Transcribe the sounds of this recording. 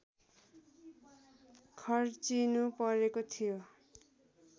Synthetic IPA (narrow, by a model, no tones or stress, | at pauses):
kʰʌrt͡sinupʌɾekot̪ʰijo